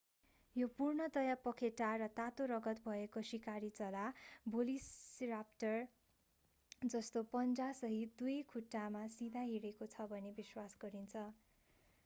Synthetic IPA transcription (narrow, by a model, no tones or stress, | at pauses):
jopurɳʌt̪ʌjapʌkʰeʈarʌt̪at̪oɾʌɡʌt̪bʱʌekosikaɾit͡sʌlabolisrapʈʌr | d͡zʌst̪opʌnd͡zasʌɦit̪d̪ujkʰuʈːamasid̪ʱaɦiɽekot͡sʰʌbʱʌnebiswasɡʌɾint͡sʰʌ